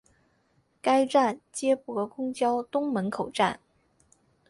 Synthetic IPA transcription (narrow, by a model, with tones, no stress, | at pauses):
ka˥ɪʈ͡ʂa˥˩nt͡ɕjɛ˥pwɔ˧˥kʊ˥ŋt͡ɕjɑ˥ʊt̪ʊ˥ŋmə˧˥nkʰo˨˩ʊʈ͡ʂa˥˩n